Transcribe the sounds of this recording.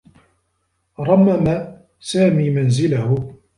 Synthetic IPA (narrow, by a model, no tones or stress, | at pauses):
ɾˤɑmːama | saːmiːmanzɪlahʊ